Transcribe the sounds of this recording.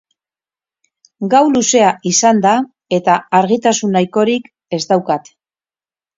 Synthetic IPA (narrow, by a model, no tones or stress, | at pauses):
ɡawluse̞aʔisand̪a | e̞t̪aːɾɣit̪asunːajko̞ɾik | e̞zd̪awkat̪